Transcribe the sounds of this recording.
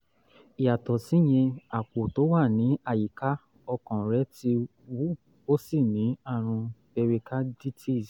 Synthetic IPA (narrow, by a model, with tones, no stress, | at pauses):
i˨ja˨tɔ˨si˦˨j̃ɛ̃˧a˨k͡po˨to˨˦wa˦˨nĩ˨˦a˦˨ji˨ka˦ | ɔ˧kɔ̃˨ɾɛ˨˦ti˧ | wu˦ | o˦si˦˨nĩ˨˦a˦˨ɾ̃ũ˧be˧ɾe˧ka˦di˦tʰi˦˨